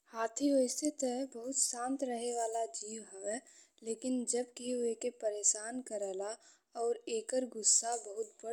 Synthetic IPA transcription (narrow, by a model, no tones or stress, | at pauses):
haːt̪ʰioɪst̪ɪt̪ɛbəɦʊt̪sãːnt̪ɾəɦeʋaːlad͡ʒiːwɦəʋeleːkɪnd͡ʒəbkeɦuekepəɾeːʃaːnkəɾɛːla | ɔːɾeːkəɾɡʊsːabəɦʊt̪bə